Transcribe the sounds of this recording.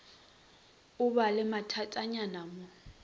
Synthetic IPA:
ʊbalɪmatʰatʼaɲanamɔ

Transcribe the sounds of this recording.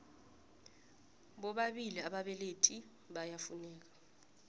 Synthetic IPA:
ɓɔɓaɓiliaɓaɓɛletʰi | ɓajafunɛːk̬ḁ

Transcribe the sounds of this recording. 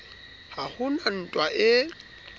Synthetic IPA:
hahʊnan̩tʼwaʔɪ

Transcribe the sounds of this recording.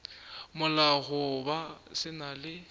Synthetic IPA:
mʊlaɣʊbasɪnalɪ

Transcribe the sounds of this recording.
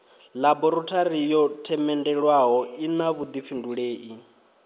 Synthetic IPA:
labɔɾutʰaɾijɔtʰɛmɛndɛɺwaɦɔinaβud̪ifinduɺeːʔi

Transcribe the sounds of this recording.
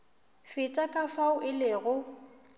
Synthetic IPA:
fɪtʼakʼafaʊʔɪlɪɣʊ

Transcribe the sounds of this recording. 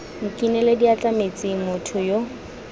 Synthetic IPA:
ŋ̩kʼinɛlediat͡ɬʼamet͡sʼɪmʊtʰʊjo

